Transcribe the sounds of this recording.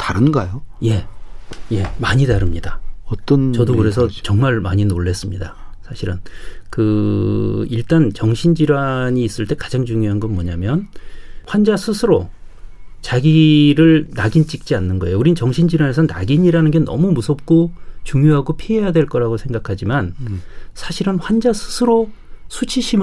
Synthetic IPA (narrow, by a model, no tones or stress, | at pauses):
taɾɯnɡajoje̞je̞maɲitaɾɯmɲidaʌt͈ʌnt͡ɕʌdokɯɾe̞s̬ʰʌt͡ɕʌŋmaɭmaɲinoɭːe̞s͈ɯmɲidasʰaɕʰiɾɯnkɯ | iɭt͈ant͡ɕʌŋɕʰind͡ʑiɾwaɲiːs͈ɯɭt͈e̞kḁd͡ʑaŋt͡ɕuŋjoɦanɡʌnmwʌɲamjʌnɸwand͡ʑasʰɯsʰɯɾo | t͡ɕaɡiɾɯɭnaɡint͡ɕ͈ik̚t͡ɕ͈ianːɯnɡʌe̞jouɾit͡ɕʌŋɕʰind͡ʑiɾwane̞sʰʌna̰ɡiɲiɾanɯnɡe̞nʌ̰mumusʰʌp̚k͈ot͡ɕuŋjoɦaɡopʰiɦejadwe̞ɭk͈ʌɾaɡosʰe̞ŋɡakʰad͡ʑimansʰaɕʰiɾɯnɸwand͡ʑasʰɯ̥sʰɯɾo | sʰut͡ɕʰiɕʰim